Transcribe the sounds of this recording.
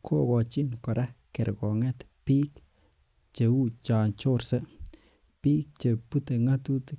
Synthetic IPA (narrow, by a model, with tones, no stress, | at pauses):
kʰo˦ɡo˨t͡ʃi˦nko˨ɾa˦ke˨ɾɡo˨ŋe˦t̪pi˦k | t͡ʃe˨u˦t͡ʃa˨nt͡ʃo˦ɾsə˦ | pi˦k̚t͡ʃe˨pu˦t̪e˧ŋa˦t̪u˦t̪